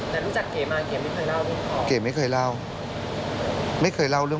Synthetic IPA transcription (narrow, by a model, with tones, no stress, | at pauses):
na˨˩n˨˦t͡ɕa˨˩kke˨˧˩maː˨˧˩ke˨˩məː˨˦jxʰəː˨˧˩jlaː˧wli˧ke˨˧˩mə˨˦jxʰəː˨˩jlaː˧w | məː˨˦jkxʰəː˨˩jlaː˧wlɨ˧